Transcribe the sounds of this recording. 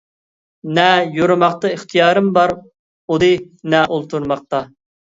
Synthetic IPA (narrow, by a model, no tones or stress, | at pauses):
nɛjoɾmɑqt̪ɨiχt̪ʰijɑːɾɨmbɑɾ | od̪ɨ | nɛʔolˠt̪ʰuɾmɑq̚t̪ɑ